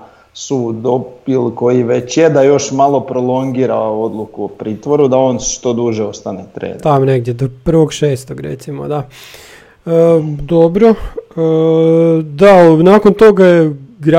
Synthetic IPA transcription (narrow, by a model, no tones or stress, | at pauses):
sud̪opilko̞jiʋet͡ɕjed̪ajo̞ʃmalˠo̞pɾo̞lˠo̞ŋɡiːɾao̞d̪lˠukuopɾiːt̪ʋo̞ɾud̪ao̞nʃt̪o̞d̪uʒɛo̞st̪anet̪ɾḛːd̪t̪amoneɡd̪jed̪opr̩ʋo̞ɡʃeːst̪oɡɾḛt̪simo̰d̪a | əd̪o̞bɾo | d̪anaːkont̪oɡajeɡɾa